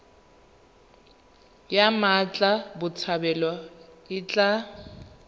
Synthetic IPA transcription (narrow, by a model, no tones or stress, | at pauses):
jamat͡ɬʼabʊt͡sʰabɛlɔɪt͡ɬʼa